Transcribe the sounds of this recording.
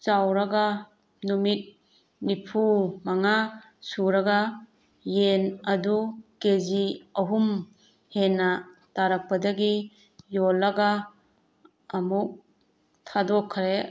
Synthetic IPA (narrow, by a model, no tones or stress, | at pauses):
t͡ʃawɾaɡa | numit̚ | nipʰumaŋa | suɾaɡa | jenɐdukeziɐɦum | henːataɾak̚pɐdaɡi | jolːaɡa | muk̚ | tʰadɔkʰːɾe